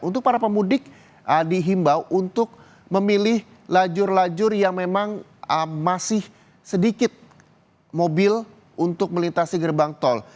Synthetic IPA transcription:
unt̪ʊk̚paɾapəmudɪk̚ | ʔədiɦimbawʔunt̪ʊk̚ | məmilɪh | lad͡ʒʊrlad͡ʒʊrjaŋmemaŋ | əmasɪh | sədikɪt̪̚ | mobɪl | unt̪ʊk̚məlint̪asiɡərbaŋt̪ɔl

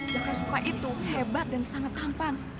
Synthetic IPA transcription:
d͡ʒakansukaʔit̪uhebat̪̚dansaŋat̪̚hampan

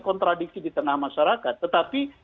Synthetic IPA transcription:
kɔnt̪ɾaɖik̚sidit̪ənahmaʃaɾakat̪ːət̪api

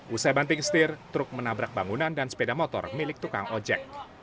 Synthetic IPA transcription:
ʔusajbant̪ɪŋst̪ɪrt̪ɾʊk̚mənabɾak̚baŋunandansə̥pedamot̪ɔ̰rmilɪk̚t̪uka̰ŋɔd͡ʒɛ̰k̚

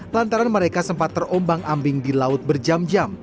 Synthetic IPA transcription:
lant̪aɾanməɾekasəmpat̪ːərombaŋʔambɪŋdilaʊt̪̚bərd͡ʒamd͡ʒam

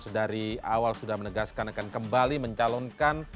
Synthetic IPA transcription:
sədaɾiawalsudahmənəɡaskanakankəmbaliməɲt͡ʃalɔnkan

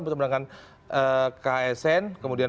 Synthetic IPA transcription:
bərtəməɾaŋan | ʔəkaɛsɛnkəmudia

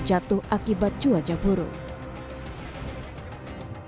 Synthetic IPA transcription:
d͡ʒat̪uɦʔakibat̪̚d͡ʒuad͡ʒabʱɔɾo̰

